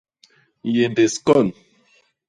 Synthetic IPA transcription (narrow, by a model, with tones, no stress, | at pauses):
je˨nde˨skɔ˦˨n